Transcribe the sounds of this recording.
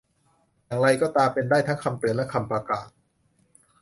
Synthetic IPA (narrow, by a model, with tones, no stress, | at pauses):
ja˨˩ŋɾa˧jkɔː˥˩t̪aː˧pe˧ndaː˥˩jt̪ʰa˦˥kʰa˧mp̪ɯ˨˩ənlɛ˦˥kʰa˧mpɾa˧kaː˨˩t̪̚